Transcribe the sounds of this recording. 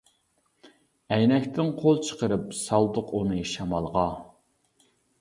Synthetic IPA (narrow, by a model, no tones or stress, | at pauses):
ɛjnɛkʲt̪ʰɪnqʰolˠt͡ʃʰə̥qəɾɨpsɑlˠd̪ʊqunɨʃɑmɑlˠʁɑ